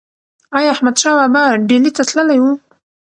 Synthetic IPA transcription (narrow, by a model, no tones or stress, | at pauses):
ɑjɑahmad̪ʃɑwabaɖelit̪at̪ləlajwu